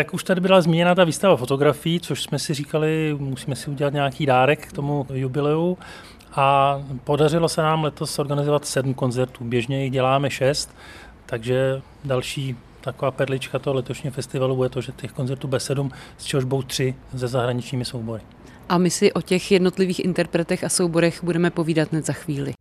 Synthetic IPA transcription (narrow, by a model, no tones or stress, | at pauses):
t̪akuʃt̪adɪbɪlazmʲiːɲɛnaːt̪aviːst̪avafo̞t̪o̞ɡɾafɪjit͡so̞ʃsmɛsɪriːkalɪmusiːmɛsɪuɟɛlat̪ɲaakiːdaːɾɛkːt̪o̞mujubɪlɛu | ʔapo̞darɪlo̞sɛnaːmlɛt̪o̞so̞ɾɡanɪzo̞vat̪sɛdm̩ko̞nzɛɾt̪uːbjɛʒɲɛjɪɣɟɛlaːmɛʃɛst̪ː | aɡʒɛ | dalʃiː | t̪akovaːpɛɾlɪt͡ʃkat̪oɦolɛt̪oʃɲiofɛst̪ɪvalujɛt̪oʒɛt̪ɛxko̞nzɛɾt̪uːbɛsːɛdumst͡ʃɛɦoʒbowt̪r̝̥ɪzɛzaɦɾaɲɪt͡ʃɲiːmɪsowbo̞ɾɪ | ʔamɪsɪʔo̞cɛxjɛdno̞t̪lɪviːxʔɪ̰nt̪ɛɾpɾɛt̪ɛxasowbo̞ɾɛxbudɛmɛpo̞viːdat̪nɛt̪zaxviːlɪ̰